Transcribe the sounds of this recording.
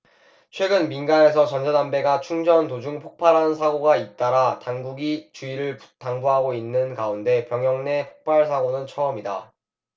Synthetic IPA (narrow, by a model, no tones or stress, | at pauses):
t͡ɕʰwe̞ɡɯnminɡane̞sʰʌt͡ɕʌnd͡ʑʰadanbe̞ɡat͡ɕʰuŋd͡ʑʌntod͡ʑuŋpʰok̚pʰaɾɦannsʰaɡoɡait̚t͈aɾatanɡuɡit͡ɕuiɾɯɭtaŋbuɦaɡoinːɯnkaunde̞pjʌŋjʌŋne̞pʰok̚p͈aɭs̬ʰaɡonɯnt͡ɕʰʌʌmida̰